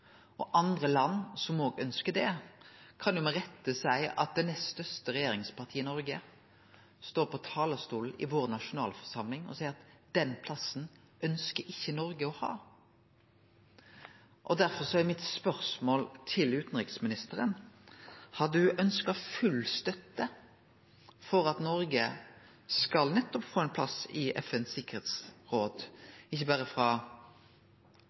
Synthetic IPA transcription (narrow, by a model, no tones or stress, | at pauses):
ɔʔɑnd̪ʁəlɑnːsɔmoːɡœnskəd̪ɛkʰɑnj̪ʊmɛʁɛt̪ːəsæɪɑ̰t̪̚d̪ɛnɛst̪œst̪əʁɛjeːɾɪŋspɑʁt̪ʰiːəɪnɔɾɡə | st̪oːɾpʰɔt̪ʰɑːləst̪uːl̩ɪ̰ʋoːʁnɑʂʊnɑːlfɔ̥ʁsɑmlɪŋɔ̰sɛɪɾɑt̪d̪̥ɛnpʰlɑsn̩ | ʔœnskəɾɪçːənɔɾɡəɔhɑ̰ː | ʔɔd̪æɾfɔɾsɔæmɪt̪spœʁsmoːlt̪ʰɪlʉːt̪n̩ʁɪksmɪnɪst̪əɾən | hɑd̪ʉʔœnskɑfʉlst̪œt̪ːə | fɔɾɑt̪nɔɾɡə | skɑlnɛt̪ːɔpfoːɛnpʰlɑsɪʔɛ̰fɛnsɪkːəʁheːt̪sʁoːd̪ɪçːəbæːʁəfʁɑ